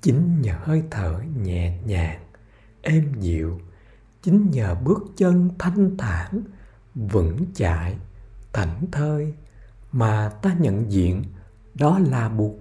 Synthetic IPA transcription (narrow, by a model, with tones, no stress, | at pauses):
t͡ɕï˨˦ŋ̟ɲəː˨˩həː˧jt̪ʰəː˧˩ɲɛ̰˨ɲaː˨˩ŋ | ʔɛ˧mzḭ˧˨əw | t͡ɕï˨˦ŋ̟ɲəː˨˩ɓɨ˦˥ək̚t͡ɕə˧nt̪ʰa˧jŋ̟t̪ʰaː˧˦n | vɨ̰˧˥ŋt͡ɕa̰ː˧˨jt̪a˧˩jŋ̟t̪ʰəː˧j | maː˨˩t̪aː˧ɲə̰˧˨nzḭ˧˨ən | ɗɔ˨˦laː˨˩ɓu˨˩ək̚